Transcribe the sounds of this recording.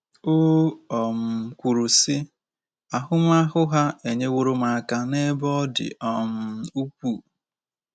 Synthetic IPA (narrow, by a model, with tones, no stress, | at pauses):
o˦ɔ˨m̩˨kʷu˨ɾu˨sɪ˦ | a˨ɦʊ˦m˦a˦ɦʊ˦ɦa˦e˨ɲe˦wo˦ɾo˦ma˨ka˨ne˦bɔ˦dɪ̰˨ʔɔ˦m̩˦u˦kʷu˦˨